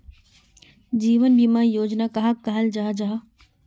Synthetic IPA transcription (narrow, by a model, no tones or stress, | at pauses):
d͡ʒiːʋənbimajoːd͡ʒnakaɦakaɦəld͡ʒaːɦd͡ʒaɦa